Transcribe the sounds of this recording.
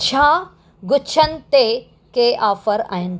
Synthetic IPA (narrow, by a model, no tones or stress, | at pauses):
t͡ɕʰaː | ɡʊt͡ɕʰənɪ̆t̪e | keːʔaːfəɾa̰ːɦɪnɪ̆